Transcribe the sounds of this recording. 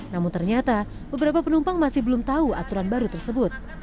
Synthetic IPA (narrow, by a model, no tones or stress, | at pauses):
namʊnt̪ərɲat̪a | bəbəɾapapənumpaŋmasɪhbəlumt̪auat̪uɾanbaɾut̪ərsəbʊt̪̚